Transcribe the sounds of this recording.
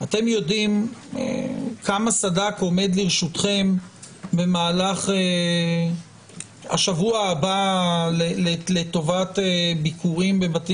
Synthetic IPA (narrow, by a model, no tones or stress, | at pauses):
at̪e̞mjo̞dimḛkʰamasadako̞me̞d̪liʁʃut̪χe̞m | be̞maːlaχe | ha̰ʃavuaːbalelelet̪o̞vatebikʰuʁimbebat̪i